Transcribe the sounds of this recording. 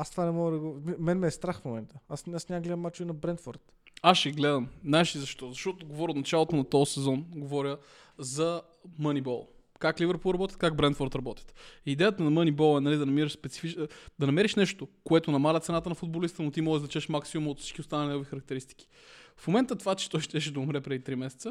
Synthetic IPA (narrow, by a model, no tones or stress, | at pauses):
ast̪vanɛmɔɡəd̪ɐɡomɛnmɛːst̪ɾaxfmomɛnt̪əasasnʲamɡolɛəmːat͡ʃuinɐbɾɛnt̪fɔ̰ɾt̪ | aʃɛɡlɛd̪ɐmnaɛʃizɐʃt̪ɔzɐʃt̪ɔt̪oɡovɔɾʲjot̪nɐt͡ʃalˠot̪onɐt̪ɔsɛzɔnɡovɔɾʲjə | zɐ | mənibɔlˠ | kaklivəɾpolˠɾɐbɔt̪ʲət̪kaɡbɾɛnt̪fɔɾt̪ɾɐbɔt̪ʲə̥t̪id̪ɛjət̪ənɐmənibɔlˠɛnɐlid̪ɐnɐmiɾəʃspɛt̪si̥fit͡ʃd̪ɐnɐmɛɾiʃnɛʃt̪okoɛt̪onɐmalʲɐt̪sɛnat̪ənɐfʊd̪̚bolist̪ənot̪imɔdɛzd̪ɐt͡ʃɛʃmaksiumɐot̪fsit͡ʃkʲiʊst̪anəlʲinɛɡovixɐɾɐk̚t̪ɛɾist̪i̥k̟i̥ | fmomɛnt̪ət̪vat͡ʃɛ̥t̪ɔjʃt̪ɛʃ̬d̪ɐʊmɾɛpɾɛd̪it̪ɾimɛsɛt̪sə